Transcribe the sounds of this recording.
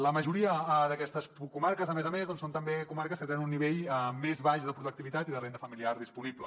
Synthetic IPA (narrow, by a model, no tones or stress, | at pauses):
ləməʒuɾiəðəkɛst̪əskumaɾkəzəmezəmezðɔnsont̪əmbekumaɾkəskət̪enənunːiβeʎmezβaʃðəpɾuðukt̪iβit̪at̪iðərend̪əfəmiliaɾðispuniblə